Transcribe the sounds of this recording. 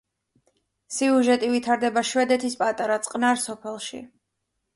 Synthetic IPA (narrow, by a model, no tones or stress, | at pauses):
siuʒɛt̪ʼivit̪ʰaɾd̪ɛbaʃvɛd̪ɛt̪ʰispʼat̪ʼaɾat̪sʼqʼnaɾsɔpʰɛlˠʃḭ